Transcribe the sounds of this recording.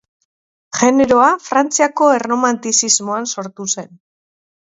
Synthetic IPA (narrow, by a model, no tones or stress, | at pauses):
ʝe̞ne̞ɾo̞afɾant͡siako̞erno̞mant̪isizmoanso̞ɾt̪use̞n